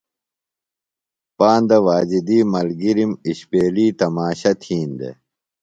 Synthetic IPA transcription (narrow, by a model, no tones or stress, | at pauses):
paːnd̪ɐʋaːd͡ʑid̪iːmɐlɡiɾimiɕpeːliːt̪ɐmaːɕɐt̪ʰiːnd̪ḛ